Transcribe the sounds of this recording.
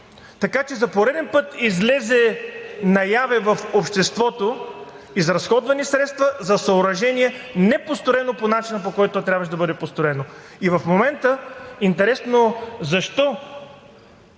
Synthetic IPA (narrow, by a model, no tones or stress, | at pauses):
t̪ɐkat͡ʃɛzɐpoɾɛd̪ɛnpɤt̪izlɛzɛnɐjavɛvɐfopʃt̪ɛst̪vɔt̪o | izɾɐsxɔd̪vɐnisɾɛt̪st̪vɐzɐsɐoɾɐʒɛniɛnɛpost̪oɾɛnoponat͡ʃinəp̬okɔjt̪t̪ot̪ɾʲabvəʃ̬d̪ɐbɤd̪ɛpost̪oɾɛno | ivɐfmomɛnt̪əint̪ɛɾɛsnozɐʃt̪ɔ